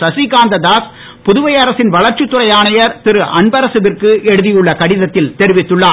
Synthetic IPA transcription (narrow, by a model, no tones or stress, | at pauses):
sɐsikaːnd̪ɐðaːs | pʊðʊʋɐjɐɾɐsɪnʋɐɭɐɾt͡ʃɯt̪ːɯɾɐjaːɳɐjɐɾt̪ɪɾɯʔɐɳbɐɾɐsɯbɪrkɯʔɛɽɯðɪjɯɭːɐkɐɽɪðɐt̪ːɪlt̪ɛɾɪʋɪt̪ːɯɭːaː